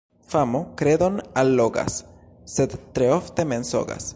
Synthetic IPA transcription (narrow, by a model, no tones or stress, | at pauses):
famo̞kɾe̞d̪o̞nalːo̞ɡa̰sː | e̞d̪ːɾeofte̞me̞nso̞̰ɡa̰s